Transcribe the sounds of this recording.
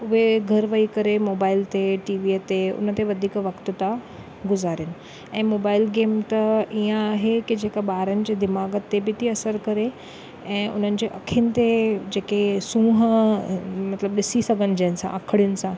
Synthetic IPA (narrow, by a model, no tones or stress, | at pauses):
ʊʋeɡʱɐɾʋəikəɾemoːbaːɪlt̪eʈiːʋiət̪eʊ̰nət̪eʋəd̪ʱiːkʋɐkt̪t̪a | ɡʊzaːɾɪnɪ̆ | ɛ̃ːmoːbaːɪlɡeːmt̪əijãɦekid͡ʑeːkaɓaːɾənɪ̆d͡ʑed̪ɪmaːɡət̪ːebit̪ʰiɐsəɾkəɾe | ɛ̃ːʔʊ̰n̤ənɪ̆d͡ʑeʔɐkʰinɪ̆t̪ed͡ʑeːkesũːɦ | mɐt̪ləbɗɪsisəɡənɪd͡ʑãnɪsã̰ʔəkʰəɽjʊnɪ̆sã